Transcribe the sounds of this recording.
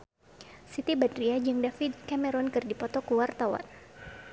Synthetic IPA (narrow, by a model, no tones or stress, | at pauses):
sit̪ibadɾiad͡ʒɨŋdafid̪̚kamɛɾɔnkɨrdipɔt̪ɔkuwart̪awa̰n